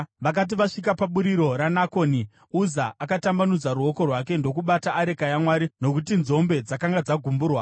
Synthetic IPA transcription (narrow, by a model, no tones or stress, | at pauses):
ʋak̬at̬iʋaʂik̬apaɓuɾiɾo̞ɾanako̞ni | uzaʔːkatambanud͡zaɾuo̞ko̞rwak̬e̞ndo̞kuɓataʔːɾe̞kajamwaːɾino̞kutinzo̞mbe̞d͡zakaŋɡad͡zaɡʱumburwa